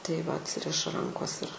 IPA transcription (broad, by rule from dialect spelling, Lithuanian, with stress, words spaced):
tɐɪ ʋɐ ɐtʲˈsʲɪrʲɪʃɐ ˈrɐŋkoːs ɪr